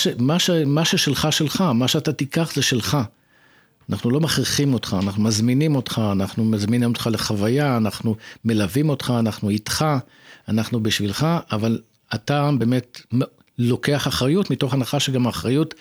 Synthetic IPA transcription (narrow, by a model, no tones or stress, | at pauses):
aʃemaʃemaʃeʃelχaʃe̞lχamaʃeatatikaχzeʃe̞lχa | anʔaχnulo̞maχʁiχimo̞tχaːnaχnumazminimo̞tχaːnaχnumazminimotχale̞χavajaːnaχnume̞lavimo̞tχaːnaχnuitχa | anaχnubiʃvilχaʔaval | atabe̞me̞tm | lo̞ke̞aχaχʁajutmito̞χanaχaʃe̞ɡamaχʁajut